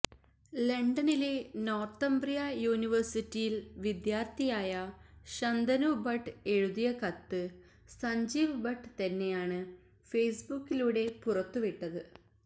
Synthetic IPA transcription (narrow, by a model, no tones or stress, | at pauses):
leɳɖɐnileno̞ːrt̪ɐmbrijɐjuːniʋɐrsitːijilʋid̪jaːrt̪ijaːjɐɕɐnd̪ʱɐnubɐʈːɨe̞ɻuðijɐkɐt̪ːɨ | sɐɲd͡ʑiːʋbɐʈːɨt̪ɐnːe̞jaːɳɨ | fejsbukːiluːɽe̞purɐt̪ːuʋiʈːɐðɨ